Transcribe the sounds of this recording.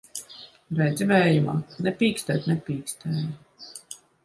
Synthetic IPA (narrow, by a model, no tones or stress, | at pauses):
ɾɛjd̪zivɛːjuma̰ːnɛpʲiːkst̪ɛːt̪ʲnɛpʲiːkst̪ɛːji